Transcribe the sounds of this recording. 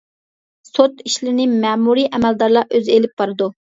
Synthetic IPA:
sot̪iʃlɪɾnɪmɛmuɾiʔɛmɛld̪ɑɾlˠɑʔøzelɪp̚b̥ɑɾɨd̪u

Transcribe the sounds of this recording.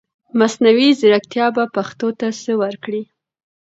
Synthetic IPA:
masnawizɪɾak̚t̪jɑbapaxt̪ot̪asəwaɾkɽi

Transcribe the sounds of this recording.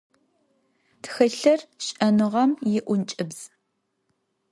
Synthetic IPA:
txɨɬɐrɕʼɐnɨʁɐmjɪʔʷʊnt͡ʃʼɨbz̥

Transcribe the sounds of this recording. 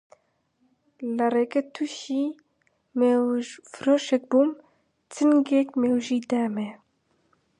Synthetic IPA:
lɨreːkɛt̪ʰuʃi | mewfɾoːʃɛk̚bum | t͡sʰɨnɡekmewʒiːd̪æːmɛ

